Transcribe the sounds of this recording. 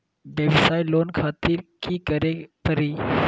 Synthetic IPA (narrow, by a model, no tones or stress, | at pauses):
bjəʋɪsaːjloːnkʰaːt̪iɾkikəɾepəɾiː